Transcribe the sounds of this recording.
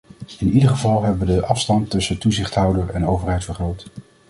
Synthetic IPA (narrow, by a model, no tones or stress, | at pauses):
ɪnidəɹχəvɑlˠɦɛbəʋədəʔɑfstɑntɵsətuzɪχtɦʌwdəɹɛnowvəɹɦɛjtfəɹχrowt